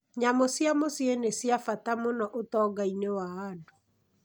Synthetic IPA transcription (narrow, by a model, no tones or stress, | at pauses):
ɲamosjamosjenesjafatamonɔʔotɔːɡainewaando